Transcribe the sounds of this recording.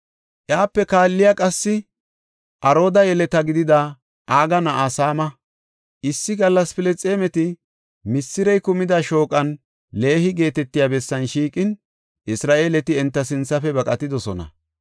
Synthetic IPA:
ʔjaːpːɛkaːlːɪjakʼɐsːɪ | ʔɐɾo̞ːd̪ɐjɛlɛt̪ɐɡɪd̪ɪd̪ɐ | ʔaːɡɐnɐʔaːsaːmɐ | ʔɪsːɪɡɐlːɐspɪlɛt͡sʼeːmɛt̪ɪ | mɪsːɪɾɛjkʊmɪd̪ɐʃo̞ːkʼɐn | le̞ːhɪɡe̞ːt̪ɛt̪ːɪjaːbɛsːɐnʃiːkʼɪn | ʔɪsɾaːʔe̞ːlɛt̪ɪɛnt̪ːɐsɪnt͡sːɐfɛbɐkʼɐt̪ːɪd̪ɔsɔnɐ̰

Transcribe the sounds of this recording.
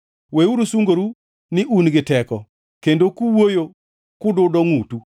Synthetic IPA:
weuɾusuŋɡoɾu | nɪʔunɡɪtɛkɔ | kendokuwojo | kʊdʊdɔŋutu

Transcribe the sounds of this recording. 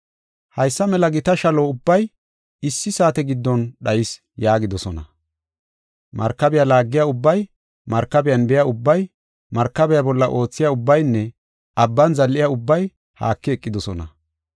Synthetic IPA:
hɐjsːɐmɛlɐɡɪt̪ɐʃɐloʊbːɐj | ɪsːɪsaːt̪ɛɡɪd̪ːɔnɗɐjɪs | jaːɡɪd̪ɔsɔnɐ̰ | mʔɐ̰ɾkːɐbɛjalaːɡːɪjaʊbːɐj | mɐɾkːɐbɛjɐnbɛjaʊbːɐj | mɐɾkːɐbɛjabɔlːɐʔo̞ːt͡sːɪjaʊbːɐjnːɛ | ʔɐbːɐnzɐlːɪjaʊbːɐj | ha̰ːkːɪɛkʼːɪd̪ɔsɔnɐ̰

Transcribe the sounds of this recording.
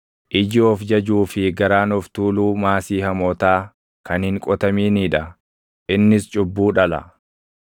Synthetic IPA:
ʔɪd͡ʒɪɔfd͡ʒɐd͡ʒuːfɪɡɐɾaːnɔft̪uːluːmaːsiːhɐmɔːt̪aː | kɐnhɪŋkʼɔt̪ɐmiːniːᶑɐ | ʔɪnːɪst͡ʃʼʊbːuːᶑɐlɐ̰

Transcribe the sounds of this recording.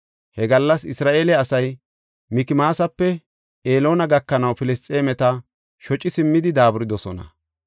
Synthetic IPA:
hɛɡɐlːɐsɪsɾaːʔeːlɛɐsɐj | mɪkɪmaːsɐpːɛ | ʔeːlo̞ːnɐɡɐkːɐnɐwpɪlɪst͡sʼːe̞ːmɛt̪ɐ | ʃɔt͡ʃʼːɪsɪmːɪd̪ɪd̪aːbʊɾɪd̪ɔsɔnɐ̰

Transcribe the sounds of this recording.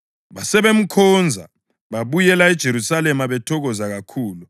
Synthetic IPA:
βasɛβem̩kʰɔnd͡zʱa̰ | βaβujɛlaɛd̥ʒ̥ʱeɾusalɛmaβɛtʰɔɣɔzaɣakʰuːlu

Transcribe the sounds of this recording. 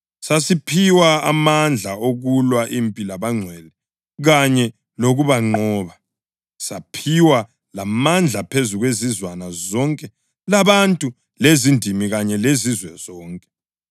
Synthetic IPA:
sasipʰiwaamand͡ɮʱaoɣulwaʔiːmpʼilaβaŋ͡ǀʱwɛlɛ | ɣaɲɛ | loɣuβaŋ͡ǃɔːβa | sapʰiwa | lamand͡ɮʱapʰezuɣwezizwanazɔŋkʼɛ | laβantʼu | lezindʱimiɣaɲɛlezizwɛz̥ɔːŋkʼɛ̥

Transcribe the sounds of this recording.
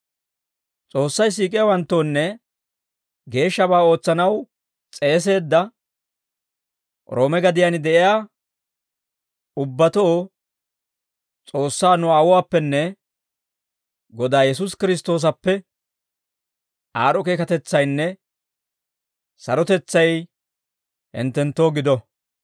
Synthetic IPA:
t͡sʼo̞ːsːɐjs̬iːkʼɪjawɐnt̪ːo̞ːnːɛ | ɡe̞ːʃːɐbaːo̞ːt͡sːɐnɐw | t͡sʼe̞ːs̬e̞ːd̪ːɐ | ɾʔo̞ːmɛɡɐd̪ɪjanɪd̪ɛʔɪjaː | ʊbːɐt̪oː | t͡sʼo̞ːsːaːnʊaːwʊwaːpːɛnːɛ | ɡɔd̪aːjɛs̬ʊskɪɾɪs̬t̪o̞ːs̬ɐpːɛ | ʔaːɾɔke̞ːkɐt̪ɛt͡sːɐjnːɛ | sɐɾɔt̪ɛt͡sːɐj | hɪ̰nt̪ːɛnt̪ːo̞ːɡɪd̪ɔ

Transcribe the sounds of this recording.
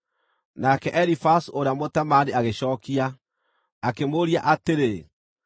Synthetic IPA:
nakɛʔɛɾifasuoɾeamotamaniaɣeɕɔːkiaː | kemoɾiaʔateɾe

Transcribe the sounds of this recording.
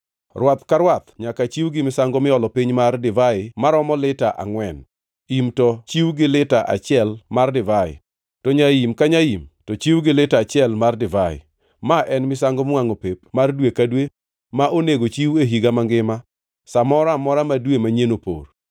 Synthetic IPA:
rwat̪kaɾwat̪ɲakat͡ʃiwɡɪmɪsaŋɡɔmɪɔlɔpiɲmardɪvaɪmaɾɔmɔlɪtaʔa̰ŋwɛn | imtɔt͡ʃiwɡɪlɪtaʔa̰t͡ʃɪɛlmardɪvaɪ̰ | tɔɲajimkaɲajimtɔt͡ʃiwɡɪlɪtaːt͡ʃɪɛlmardɪvaɪ̰ | maʔɛnmɪsaŋɡomwaŋopep̚mardwekadwe | maʔoneɡot͡ʃiweɦiɡamaŋɡɪma | samɔɾamɔɾamadwemaɲenopo̰r

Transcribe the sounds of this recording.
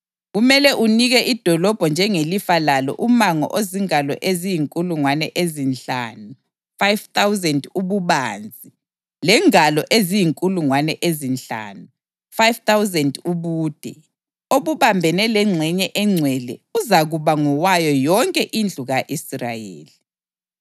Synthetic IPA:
ɣumɛlɛʔuniɣɛʔid̥ʱɔlɔb̥ʱɔnd͡ʒʱɛŋelifalalɔ̰ʔumaŋɔ̰ʔoziŋalɔ̰ʔezijiŋkʼuluŋwanɛ̰ʔezint͡ɬa̰ːnu | fajvt̪awzɛnduβuβaːnd͡zʱi | lɛŋalɔʔezijiŋkʼuluŋwanɛʔezint͡ɬa̰ːnu | fajvt̪awzɛnduβuːd̥ʱɛ | oβuβambʱɛnɛlɛŋ͡ǀʱɛɲɛʔɛŋ͡ǀʱwɛlɛuzaɣuβaŋɔwajɔjɔŋkʼɛʔind͡ɮʱuɣaʔisra̰jḛːli

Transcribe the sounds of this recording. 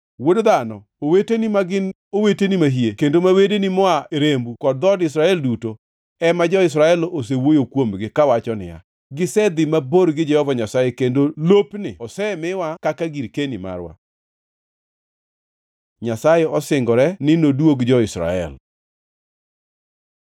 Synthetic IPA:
wodd̪anɔ | owetenimaɡɪn | owetenimaɦiekendomawedenimɔaeɾembukɔd̚d̪ɔdɪs̬ɾaɛlduto | ɛmad͡ʒɔɪs̬ɾaɛlʔos̬ewojokwomɡɪkawat͡ʃɔnɪ̰ja̰ | ɡɪsɛd̪ɪmaboɾɡɪd͡ʒɛhɔvaɲasajekendolopnɪ̰ɔsɛmɪwakakaɡiɾkenima̰rwa̰ | ɲasajɛɔsɪŋɡɔɾɛnɪnodwoɡd͡ʒɔɪsɾa̰ɛ̰l

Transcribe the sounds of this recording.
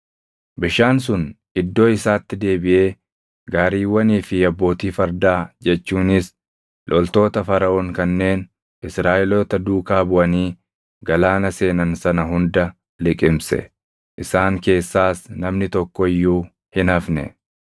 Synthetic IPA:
bɪʃaːns̬ʊn | ɪd̪ːo̞ːɪsaːt̪ːɪd̪e̞ːbɪʔe̞ː | ɡaːɾiːwːɐniːfɪɐbːo̞ːt̪iːfɐɾd̪aːd͡ʒɛt͡ʃːuːnɪs | lʔɔlt̪o̞ːt̪ɐfɐɾɐʔɔŋkɐnːe̞ːn | ʔɪsɾaːʔɪlɔt̪ɐd̪uːkaːbʊʔɐniː | ɡɐlaːnɐse̞ːnɐnsɐnɐɦʊnd̪ɐ | lɪkʼɪmsɛ̰ | ʔɪsaːŋke̞ːsːaːsnɐmnɪt̪ɔkːɔɪjːuː | hɪnɐfnɛ̰

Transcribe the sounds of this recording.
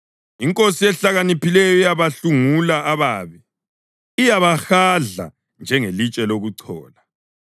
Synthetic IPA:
iŋkʼosiɛɬaɣanipʰilɛjɔijaβaɬuŋulaaβaːβi | ijaβaxaɮa̰ | nd͡ʒʱɛŋelit͡ʃʼɛloɣuǀʰɔ̰ːla

